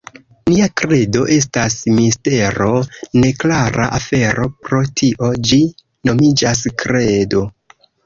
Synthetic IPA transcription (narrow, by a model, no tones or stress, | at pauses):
niakɾe̞do̞ʔe̞s̬tasmiste̞ɾo̞ne̞klaɾʔaʔafe̞ɾo̞pɾo̞tʰiʔo̞d͡ʒi | no̞mid͡ʒas̬kɾe̞do̞